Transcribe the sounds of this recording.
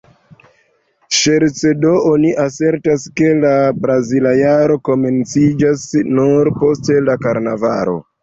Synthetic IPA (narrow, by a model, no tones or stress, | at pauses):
ʃe̞ɾt͡se̞do̞oniʔase̞ɾtaske̞labɾazilajaɾo̞ko̞me̞nt͡sid͡ʒasnuɾpo̞ste̞lakaɾnavaɾo̞̰